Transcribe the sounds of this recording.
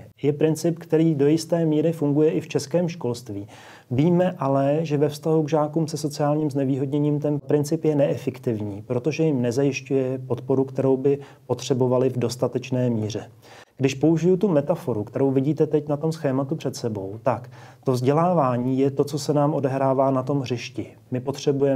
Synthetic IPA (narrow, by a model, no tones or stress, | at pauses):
jɛpɾɪnt͡sɪpkt̪ɛɾiːdo̞jɪst̪ɛːmiːɾɪfuŋɡujɛʔɪft͡ʃɛskɛːmʃko̞lst̪viː | viːmɛʔalɛʒɛvɛfst̪aɦuɡʒaːkuːmsɛso̞t͡sɪaːlɲiːmznɛviːɦo̞dɲɛɲiːmt̪ɛnpɾɪnt͡sɪpjɛnɛʔɛfɛkt̪ɪvɲiːpɾo̞t̪o̞ʒɛjɪmnɛzajɪʃcujɛpo̞t̪po̞ɾukt̪ɛɾo̞wbɪ | po̞t̪r̝̥ɛbo̞valɪvdo̞st̪at̪ɛt͡ʃnɛːmiːr̝ɛ | ɡ̥dɪʃpouʒɪjʊt̪umɛt̪afo̞ɾukt̪ɛɾo̞wvɪɟiːt̪ɛt̪ɛcnat̪o̞msxɛːmat̪upr̝̥ɛt̪sɛbo̞̰wt̪akt̪o̞vzɟɛlaːvaːɲiːjɛt̪o̞t͡so̞sɛnaːmʔo̞dɛɦɾaːvaːnat̪o̞mɦrɪʃcɪ | mɪpo̞t̪r̝̥ɛbujɛ